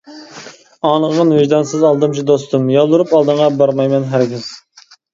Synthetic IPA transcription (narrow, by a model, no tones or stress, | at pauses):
ɑːnəʁənvɪʒd̪ɑnsɨzɑlˠd̪ɨmt͡ʃʰid̪ost̪umjɑlˠːuɾupɑlˠd̪ɨɴʁɑbɑɾmɑjmɛnɦæɾɡʲɪz̥